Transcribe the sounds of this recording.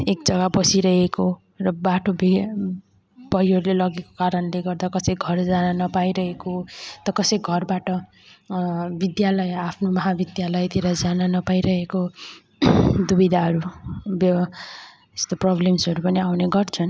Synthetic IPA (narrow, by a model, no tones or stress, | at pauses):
ekd͡zʌɡabʌsiɾʌɦeko | rʌbaʈobe | b̥ʌjʌɾulelʌɡeko̥kaɾʌnleɡʌrd̪akʌsʌjɡʱʌrd͡zananʌpajɾʌɦekot̪ʌkʌsʌjɡʱʌrbaʈʌ | bid̪jalʌjapʰnomʌɦabid̪jalʌjt̪iɾʌd͡zananʌpajɾʌɦeko | d̪ubid̪ʱaɦʌɾubʌ | e̥st̪oprʌblemsʌɾupʌniawneɡʌrt͡sʰʌn